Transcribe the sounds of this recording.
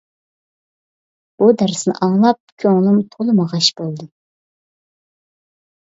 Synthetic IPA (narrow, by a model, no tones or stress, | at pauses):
b̥ud̪æɾsɨnɨ̰ʔɑŋlˠɑp̚kʲʰøŋlˠumt̪ʰolˠɨmɑʁɑʃb̥olˠd̪ɨ